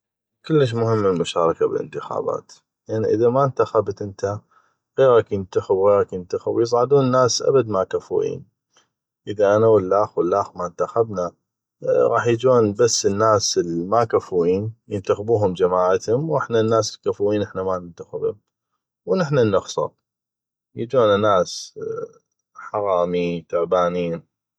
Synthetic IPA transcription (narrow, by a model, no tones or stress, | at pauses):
kʊlːəʃ̬mʊhəmːəlmʊʃaːɾˤɑkabə̰lʔə̰nt̪ɪxa̰ːba̰ːt̪ | lʔnːiʔəðamant̪axabt̪ʔənt̪a | ɣeːɾɑkjənt̪axɪbwɣeːɾɑkjənt̪axɪbwjɨsˤʕd̪uːnənːaːsʔa̰bad̪makafṵʔḭːn | ʔəðaʔanawəlːaːxwəlːaːxmant̪axabna | ɣɑ̰ːħjd͡ʒoːnbasːənːaːsəlmakafuwiːnjənt̪axbuːɦʊmd͡ʒamaːʕat̪hʊmwʔɪħnanːaːsɪlkafuːwiːnʔɪħnamanɪnt̪axɪbʊ̰m | wnɪħnanːʊxsˤɑ̰ | jəd͡ʒoːnanaːs | ħɑɾɑːmit̪ʊʕbaːniːn